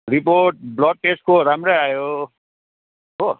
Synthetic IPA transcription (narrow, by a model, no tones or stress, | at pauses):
ɾipoɾʈ̚blɔʈ̚peskoɾamɾeaːjo | ɦo